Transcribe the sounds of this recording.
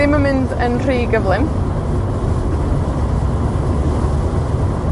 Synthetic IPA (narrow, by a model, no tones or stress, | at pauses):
ɪmamɪndənr̥iːɡəvlɪm